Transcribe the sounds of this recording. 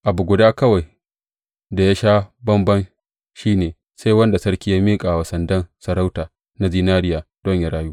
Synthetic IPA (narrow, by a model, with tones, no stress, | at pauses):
ʔa˨bu˨ɡʷʊ˨daː˦kɐ˦wa˨j | da˨ja˦ʃaː˦bɐ˦mbɐ˦n | ʃiː˦neː˨ | sa˦jwɐ˦nda˨sɐ˦ɽkʲiː˦jaː˦miː˦kʼa˨wɐ˨sɐ˨ndɐ˦nsɐ˨ɾa˦wtaː˨ | na˦zi˦naː˦ɾɪ˦jaː˨d̥ɔ˦ɲja˨ɽaː˦juː˦